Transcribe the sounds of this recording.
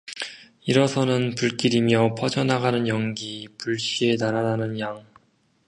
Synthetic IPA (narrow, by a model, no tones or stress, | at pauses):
iɾʌsʰʌnɯnpuɭk͈iɾimjʌpʰʌd͡ʑʰʌnaɡanɯnjʌŋɡipuɭɕ͈ienaɾananɯnjaŋ